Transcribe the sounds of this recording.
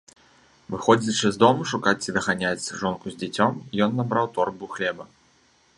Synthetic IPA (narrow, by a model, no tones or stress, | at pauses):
vɨxɔd͡zʲiʂɨzd̪ɔmuʂukat͡sʲid̪ɐɣanʲat͡sʲʐɔnkuzʲd͡zʲɛt͡sʲɔmijɔnːabɾawt̪ɔrbuxlʲɛbɐ